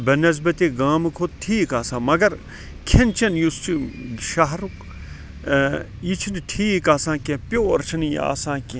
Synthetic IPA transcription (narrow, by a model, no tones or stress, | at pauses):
bɐnɐzbɐt̪iːɡaːmɨkʰoːt̪tʰiːkaːsãːmɐɡɐɾ | kʰent͡ʃʰɐnjust͡ʃʰiʃaɦɾuk | jit͡ʃʰinʈʰiːkaːsãːkẽpjoːɾt͡ʃʰinj̰a̰ːsãːke